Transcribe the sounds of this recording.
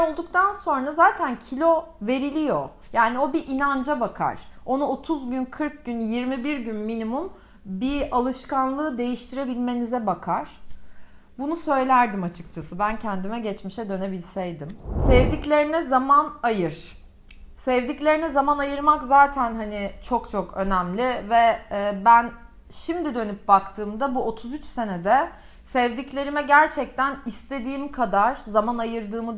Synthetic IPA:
olˠd̪uk̚t̪ʰanso̞nɾazaːt̪ʰæncʰilʲo̞ | ve̞ɾilʲijo̞ | jaːnio̞biʔinand͡ʒabakʰa̰ɾ̥o̞nuo̞t̪ʰuzɟynkʰɯɾk̚ɟynjiɾmibiɾɟynminimum | bialˠɯʃkanlˠɯːd̪e̞jiʃt̪ʰiɾe̞bilʲme̞nizɛbakʰaɾ̥ | bunusø̞jlʲæɾd̪imat͡ʃʰɯ̥k̚t͡ʃʰasɯbæncʰɛnd̪imɛɟɛt͡ʃmiʃɛd̪ø̞ne̞bilʲsɛjd̪imsɛvd̪iclʲe̞ɾinɛzamanajɯɾ̥ | sɛvd̪iclʲe̞ɾinɛzamanajɯɾmakzaːt̪ʰænɦanɪt͡ʃʰo̞kt͡ʃʰo̞kʰø̞næmlʲɪvɛːbæn | ʃimd̪id̪ø̞nyp̚bakt̪ʰɯːmd̪abuot̪ʰuzyt͡ʃse̞ned̪ɛ | sɛvd̪iclʲe̞ɾimɛɟæɾt͡ʃʰɛc̚t̪ʰænist̪ʰe̞d̪iːmkʰad̪aɾ̥zamanajɯɾd̪ɯːmɯ

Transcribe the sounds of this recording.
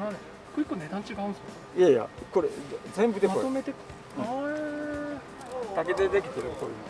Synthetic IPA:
aɾ | koikːoned̪ãɲt͡ɕiɡaːɯ̃nsoo | jaja̰ko̞ɾezẽ̞mbɯd̪eakot̪omet̪ek | t̪aɡed̪ed̪e̞kʲi̥t̪eɾkoɾi

